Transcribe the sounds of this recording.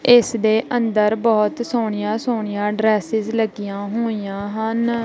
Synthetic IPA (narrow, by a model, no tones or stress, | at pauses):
ɪsd̪eːʔənd̪əɾbɔːt̪soːɳɪjãːsoːɳɪjãːɖɾɛːsɪzləɡijãːɦoːijãːɦən